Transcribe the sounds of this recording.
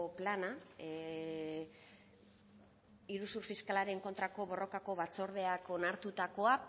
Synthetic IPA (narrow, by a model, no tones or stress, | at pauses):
plana | iɾusuɾfiskalaɾe̞ŋko̞nt̪ɾako̞βo̞rʔo̞kako̞βat͡so̞ɾð̞e̞ako̞naɾt̪ut̪ako̞a